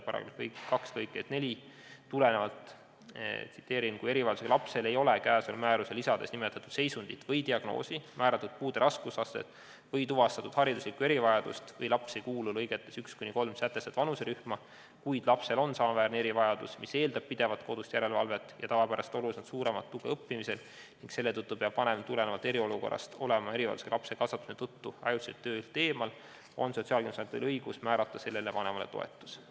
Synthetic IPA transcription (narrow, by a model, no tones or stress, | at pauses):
pɑɾɑ̰kḛlkɤjkkɑkslɤjkːˑed̪ne̞lʲi | t̪ule̞ne̞vɑlt̪ˑ | t̪si̥t̪ːˑe̞ːɾinkuje̞ɾivɑjɑd̪u̥se̥ɑlɑpse̞le̞jo̞lekæːso̞lmæːɾuselisɑd̪e̞snimet̪ːˑɑt̪ːˑud̪̥se̞jsund̪̥it̪vɤjd̪iɑɡ̥no̰ːsimʔæːɾɑt̪ːˑud̪̥̚puːd̪e̞ɾʔɑskusɑset̪ | vɤjt̪uvɑst̪ɑt̪ud̪̥hɑɾid̪uslikːue̞ɾivɑjɑd̪ṵst̪vɤjlɑpsejkuːlulɤjɡ̥et̪ˑːe̞sykskunʲiko̞lmsæt̪ːˑe̞sed̪̥vɑnuse̞ɾyhmɑ | kujd̪̥lɑpse̞lo̞nsɑːvæːrnee̞ɾivɑjɑd̪̥usmise̞ːld̪ɑb̥̚pid̪e̞vɑt̪̚ko̞d̪̥ust̪jæɾe̞lvɑ̰lvet̪ːˑjɑt̪ɑɡɑpæɾɑst̪o̞lusnɑd̪suːɾe̞mɑ̰t̪ːuɡ̥eɤpːimise̞l | niŋɡse̞lːe̞t̪ɤt̪ːupeɑb̥vɑne̞mt̪ːulenevɑt̪ːˑe̞ɾio̞luko̞rʔɑ̰st̪o̞le̞mɑe̞ɾivɑ̰ld̪u̥selɑpse̞kɑsɑt̪ːˑu̥snet̪ɤt̪ːuɑjused̪t̪ːø̞ːlt̪e̞ːmɑl | o̞̰nso̞t̪siɑld̪imsɑt̪ḭlɤjɡ̥usmæːɾɑt̪ːˑɑse̞lːelevɑne̞mɑle̞̰t̪o̞̰ḛt̪ːˑu̥s